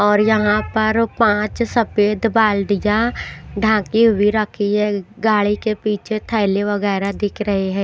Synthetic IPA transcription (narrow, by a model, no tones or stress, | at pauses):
ɔːɾjəɦãpəɾpãːt͡ʃsəpeːd̪baːld̪ɪjãɖʱãːkiɦʊiɾəkʰːiɦɛːɡaːɭikepiːt͡ʃʰet̪ʰɛːɪleʋəɡɛːɾad̪ɪkʰɾəɦeɦɛ̃ː